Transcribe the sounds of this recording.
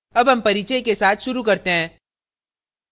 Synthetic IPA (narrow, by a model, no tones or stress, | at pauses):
ɐbɦɐmpɐɾit͡ʃəkesaːt̪ʰʃʊɾukɐɾt̪eɦɛ̃ː